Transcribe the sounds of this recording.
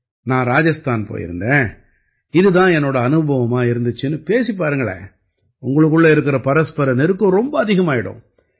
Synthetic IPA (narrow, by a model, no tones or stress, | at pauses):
nãːɾaːd͡ʒɐst̪aːnpo̰ːjɪ̰ɾɯ̰nd̪ẽː | ɪðɯt̪ãːɛnːoːɽɐɐnɯbʱɐʋɐmaːɪɾɯnd̪ɯt͡ʃːɯnɯpeːsipːaːɾɯŋɡɐɭḛː | ʊŋɡɐɭɯk̬ːɯɭːɐɪɾɯk̬ːɪɾɐpɐɾɐspɐɾɐnɛɾɯkːʊ̃ɾɔmbɐːðɪɣɐmaːjɪɽʊ̰̃